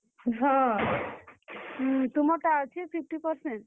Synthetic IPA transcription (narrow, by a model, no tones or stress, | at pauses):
ɦɔ̃ | t̪umɔʈaːt͡ʃʰipʰip̚ʈipɔɾseɳʈ̚